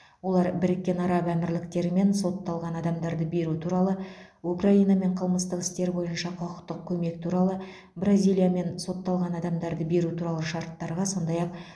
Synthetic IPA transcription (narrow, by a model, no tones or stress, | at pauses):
wo̞lˠɑɾbɪɾɪkʲːe̞nɑɾɑbæmɪɾlɪkt̪e̞ɾɪme̞nso̞t̪ːɑlˠʁɑnɑd̪ɑmd̪ɑɾd̪əbe̞ɾut̪ʰuɾɑlˠə | ukraijnɑme̞ɴqʰəlˠməst̪əqɪ̥st̪e̞ɾbo̞jənʃɑqʰoqəqt̪ːəq̚kʲʰɵme̞k̚t̪ʰuɾɑlˠə | brazʲijlʲˠijame̞nso̞t̪ːɑlˠʁɑnɑd̪ɑmd̪ɑɾd̪əbe̞ɾut̪ʰuɾɑlˠəʃɑɾt̪ːɑɾʁɑso̞nd̪ɑjɑq